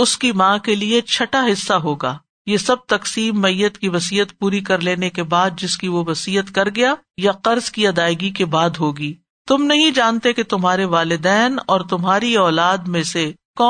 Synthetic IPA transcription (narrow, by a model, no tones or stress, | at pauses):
ʊskimãːkeliet͡ʃʰɐʈaɦɪsːaɦoːɡaː | jeːsɐb̚t̪ɐqsiːmːɐijːət̪kiʋɐsiːət̪puːɾikɐɾleːnekebaːd̪̚d͡ʒɪskiʋoʋɐsiːɦət̪kɐɾɡɐjaː | jaqɐɾzkiɐd̪aːɪɡikebaːd̪ɦoːɡiː | t̪ʊmnɐɦĩd͡ʒaːnt̪eket̪ʊmɦaːɾeʋaːlɪd̪ɛːnɔːɾt̪ʊmɦaːɾiɔːlaːd̪mẽsekɔː